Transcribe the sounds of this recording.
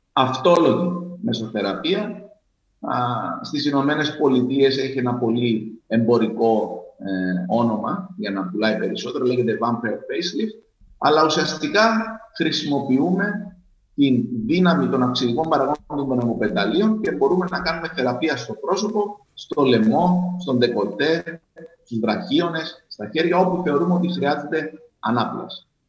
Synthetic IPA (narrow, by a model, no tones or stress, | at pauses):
ɐft̪o̞lo̞ʝime̞so̞θe̞ɾɐpiɐ | st̪isino̞me̞ne̞spo̞lit̪ie̞se̞çie̞nɐpo̞lie̞mbo̞ɾiko̞ | o̞no̞mɐʝɐnɐpulɐipe̞ɾiso̞t̪e̞ɾole̞ʝe̞t̪evɐɱfefejslif | ɐ̰lɐusiɐst̪ikɐxɾisimo̞piume̞ | t̪inðinɐmit̪o̞nɐfksiðiko̞mbɐɾɐɣo̞nd̪ond̪onemo̞pe̞nd̪ɐlio̞nce̞bo̞ɾume̞nɐkɐnume̞θe̞ɾɐpiɐst̪o̞pɾo̞so̞po̞ | st̪o̞le̞mo̞st̪o̞nd̪e̞ko̞t̪e̞ | st̪uzðɾɐçio̞ne̞sːt̪ɐçe̞ɾʝɐo̞puθe̞o̞ɾumeo̞t̪ixɾiɐzed̪e̞ | ɐ̰nɐplɐ̰s